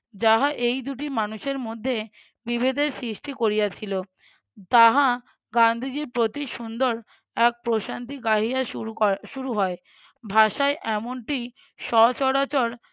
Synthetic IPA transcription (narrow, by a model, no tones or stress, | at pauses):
d͡ʑaɦaʔejd̪uʈimanuʃeɾmod̪ʱːe | bibʱed̪eɾsɾiʃʈikoɾijat͡ɕʰilo | t̪aɦa | ɡand̪ʱid͡ʑiɾpɾot̪iʃund̪oɾ | ɛk̚pɾoʃant̪iɡaɦiaʃuɾuɦɔe | bʱaʃaeʔɛmoɳʈi | ʃɔt͡ɕɔɽat͡ɕoɾ